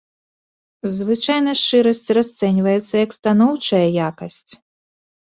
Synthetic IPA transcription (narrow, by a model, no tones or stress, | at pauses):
zvɨt͡ʂajnɐʂt͡ʂɨɾɐsʲt͡sʲrast̪sɛnʲvɐjɛt̪sːɐjɐkst̪anɔwt͡ʂɐjɐjakɐsʲt͡sʲ